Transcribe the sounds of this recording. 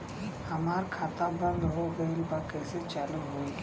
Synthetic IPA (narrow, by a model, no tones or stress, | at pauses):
hɐmaːɾkʰaːt̪ãbə̃nd̪ɦoɡəilbakəjset͡ʃaləɦoi